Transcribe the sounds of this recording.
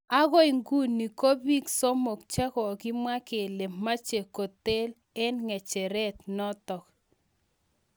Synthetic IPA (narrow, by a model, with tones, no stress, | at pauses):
a˦ɣo˦i˨ŋɡu˦ni˨ko˦bi˦kso˦mo˨k̚t͡ʃɛ˦kɔ˨ki˦mwa˦ke˨le˨ma˦t͡ʃe˨ko˨te˦l | ɛ˦nŋɛ˨t͡ʃɛ˨ɾɛ˦tnɔ˦tɔ˨k